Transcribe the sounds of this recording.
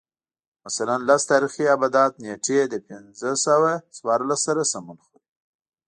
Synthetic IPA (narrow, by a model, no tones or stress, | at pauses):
masalanlast̪ɑɾixiabad̪ɑt̪̚neʈed̪əpɪnzəsawaswɑɾlasːaɾasamunxod̪